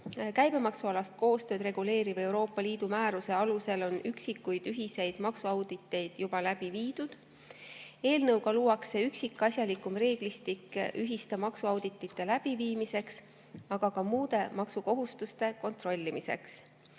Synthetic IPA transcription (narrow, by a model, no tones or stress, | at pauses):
kæjb̥e̞mɑksuɑlɑst̪̚ko̞ːst̪øːd̪ɾe̞ɡ̥ule̞ːɾive̞wɾo̞ːpːˑɑliːd̪̥umæːɾuse̞ɑluse̞lo̞nyksikːˑujd̪̥yɦise̞jd̪̥mɑksuɑwd̪̥it̪ːˑe̞jd̪̥jub̥ɑlæb̥iviːd̪̥ud̪̥ | e̞ːlnɤwɡ̥ɑluːwɑkseyksikːˑɑsjɑlikumre̞ːɡ̥list̪ikːʔyɦist̪emɑksuɑwd̪̥it̪ːˑit̪ːˑe̞læb̥iviːmise̞ks | ɑɡ̥ɑkɑmuːd̪e̞mɑksuko̞ɦust̪ust̪e̞ko̞nt̪ro̞lʲːimise̞̰ks